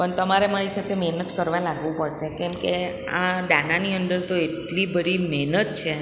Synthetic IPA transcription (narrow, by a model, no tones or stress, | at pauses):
pəɳt̪əmaɾemaɾisat̪ʰemeɦnət̪kəɾʋãlaɡʋũpəɽʃekɛ̃mke | ãɖananiənd̪əɾt̪oeʈlibəɾimenət̪̚t͡ʃʰe